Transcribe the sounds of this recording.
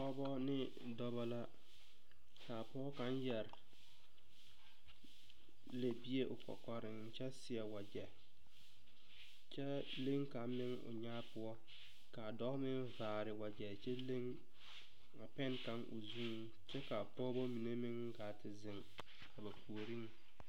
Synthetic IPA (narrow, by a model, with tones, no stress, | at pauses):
pɔ˦bɔ˦nɪ˦ | dɔ˦ba˦la˦ | ka˨pɔː˦ka˨˦njɛ˨ɾɪ˨ | le˨bi˦e˦ʔʊ˨kɔ̰˨kɔ˨ɾɪ˨ŋ˦t͡ʃɛ˦sɪ˨ɛ˨wa˨d͡ʒɛ˨ | t͡ʃɛ˦ | le˦ŋka˨mɪ˦ŋʊ̰˨ɲaː˦pʊ˦ɔ˦ | ka˨dɔ˦ɣmɪ˦nvaː˨ɾɪ˨wa˨d͡ʒɛ˨t͡ʃɛ˦le˦ŋ | a˨pɛ˦nka˨˦ŋʔʊ̰˨zu˦ŋ˨ | t͡ʃɛ˦ka˨pɔː˦bɔ˦mi˨ne˦mɪ˦ŋ˦kaː˨tɪ˨zɪ˨ŋ | ka˨ba˨kʰu˨o˨ɾi˦ŋ˦